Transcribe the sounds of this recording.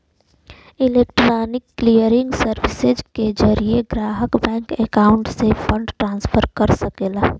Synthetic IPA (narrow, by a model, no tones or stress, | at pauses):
ɪleːkʈɾaːnɪkːlijəɾɪ̃ŋɡsəɾʋɪsed͡ʒked͡ʒəɾieɡɾaːɦəkbɛ̃ːŋkekaːʊ̃ɳʈsepʰə̃ɳɖʈɾãːnspʰəɾkəɾsəkeːla